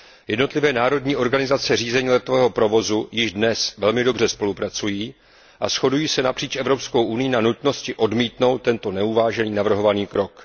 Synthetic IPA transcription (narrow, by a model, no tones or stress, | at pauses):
jɛdno̞t̪lɪvɛːnaːɾo̞dɲiːʔo̞ɾɡanɪzat͡sɛriːzɛɲiːlɛt̪ovɛːɦo̞pɾo̞vo̞zujɪʒdnɛsvɛlmɪdo̞br̝ɛspo̞lupɾat͡sujiː | ʔa̰sxo̞dujiːsɛnapr̥iːt͡ʃʔɛvɾo̞psko̞wʔunɪjɪnanut̪no̞scɪʔo̞dmiːt̪no̞wt̪ːɛnt̪o̞nɛuvaːʒɛniːnavr̩ɦo̞vaniːkɾo̞k